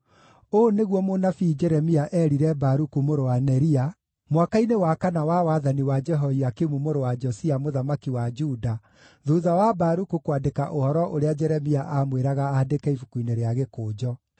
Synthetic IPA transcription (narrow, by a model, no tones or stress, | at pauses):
oneɣwɔmonafid͡ʒɛɾɛmiaʔɛɾiɾɛbaɾukumoɾowanɛɾia | mwakainewakanawawaðaniwad͡ʒɛɦɔiakemumoɾowad͡ʒɔsiamoðamakiwad͡ʒuda | ðuðawabaɾukukwadekaʔohɔɾɔʔoɾead͡ʒɛɾɛmiaʔamweɾaɣaːdekɛifukuineɾeaɣekoːd͡ʒɔ